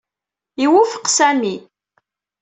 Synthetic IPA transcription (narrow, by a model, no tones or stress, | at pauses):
iwufə̥qsæmi